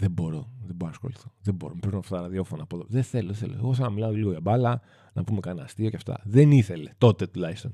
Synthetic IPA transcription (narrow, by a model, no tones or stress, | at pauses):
ðebo̞ɾo̞ðeboɾosxo̞̰liθoðebo̞ɾomepɾinoɐft̪ɐt̪ɐɾɐðio̞fonɐːpoðoðeθe̞loðeθeloeɣoθɐnɐmilɐoliɣo̞ʝɐbɐlɐ | nɐpumekɐnɐːst̪io̞cft̪ɐ̰ðe̞niθe̞le̞t̪o̞t̪e̞t̪ulɐist̪on